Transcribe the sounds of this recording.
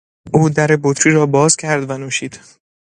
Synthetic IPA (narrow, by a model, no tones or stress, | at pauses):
ʔuːd̪æɾebot̪ɾiːɾɒːbɒːz̥cʲʰæɾd̪vænuːʃiːd̪̥